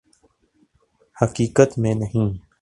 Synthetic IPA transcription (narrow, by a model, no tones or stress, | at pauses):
həkiːkət̪mẽːnəɦĩː